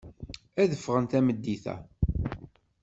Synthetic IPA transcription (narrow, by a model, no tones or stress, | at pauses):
æðəfːʁənt̪æməd̪ːiθæ̰